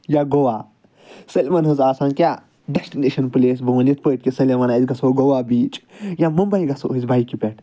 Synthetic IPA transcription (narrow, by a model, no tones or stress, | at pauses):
jaɡoʋaː | sɐlʲemɐnɦɨzaːsãːnkʲa | ɖesʈineːʃɐnpɨleːs̬bɐːɐnit̪pəːʈ̚ʲkisɐlʲemɐnaizɡɐsoɡowabiːt͡ʃjamɐmbɐjɡɐso̰izbʱaikipʲɛʈ